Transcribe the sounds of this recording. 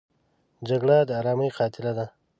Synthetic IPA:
d͡ʒaɡɽad̪əːɾɑːməjqɑːt̪ɪlad̪a

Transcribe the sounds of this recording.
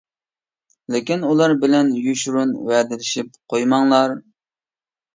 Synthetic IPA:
lɪkʲinulˠɑɾbɪlɛnjyʃɾunwɛd̪ɪlɪʃip̚qʰojmɑŋlˠɑɾ

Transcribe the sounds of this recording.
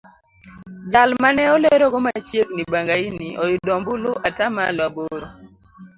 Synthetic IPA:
d͡ʒalmanɛɔleɾɔɡɔmat͡ʃjeknibaŋɡainiʔɔjʊdɔmbʊloʔatama̰laboɾo

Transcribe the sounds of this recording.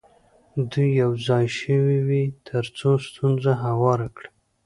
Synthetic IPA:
d̪ujːawzɑjʃəwiwit̪ʰəɾt͡sost̪ʰunzaɦawɑɾakɽa

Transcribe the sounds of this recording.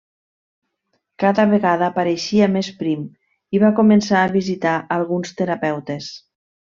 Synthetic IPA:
kaðəβeɣaðaːpaɾeʃiamespɾim | iβakumensaːβizit̪aʔəlˠɣunst̪eɾapɛwt̪es

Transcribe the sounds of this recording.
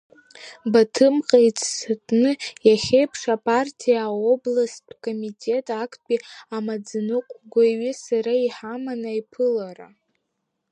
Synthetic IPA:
batʰɨmqʼejt͡sʰʼsatʼnɨjaχʲe̞jpʰʂapʼartʰijao̞blaskʼo̞mitʼe̞tʼakʼʰpʼiamad͡znɨqʷʼɡʷaɥɪsaɾaiħamanaipʰɨlaɾa̰

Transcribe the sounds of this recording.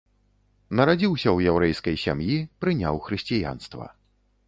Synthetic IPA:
nɐɾad͡zʲiwsʲɐwjɛwɾɛjskɐjsʲamjipɾɨnʲawxɾɨsʲt͡sʲija̰nst̪vɐ̰

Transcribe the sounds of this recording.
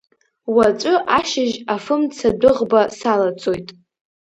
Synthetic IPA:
wat͡ʃʷʼʊʔaʃɪʒafɨmt͡sʰadɨʁbasalat͡sʼojtʼ

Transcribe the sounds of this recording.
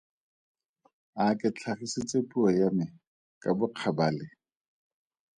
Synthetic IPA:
akʼɪt͡ɬʰaχisɪt͡sʼepʼuajamɪ | kʼabʊq͡χʰabaːlɪ

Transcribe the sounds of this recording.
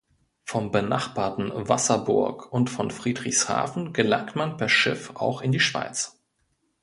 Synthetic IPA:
fɔmbəna̰χb̥aːɐtn̩vasɐbʊɐkʔʊntfɔnfʁ̥iːdʁɪçsha̰ːfn̩ɡ̥əla̰ŋk̚tmanpʰɛɐʃɪfa̰ʊxɪndiːʃv̥a̰ɪt͡s

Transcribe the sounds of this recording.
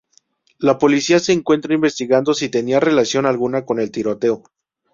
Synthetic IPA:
lapo̞lisiase̞ːŋkwe̞nt̪ɾaimbe̞st̪iɣand̪o̞sit̪e̞niare̞lasjo̞nalɣunako̞ne̞lt̪iɾo̞t̪e̞o̞

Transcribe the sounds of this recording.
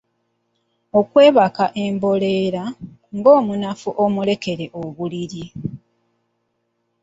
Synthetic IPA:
o̞kwe̞ːβakaʔe̞mbo̞le̞ːɾa | ŋɡo̞ːmunafuʔomule̞ke̞ɾe̞ʔoβuliɾi

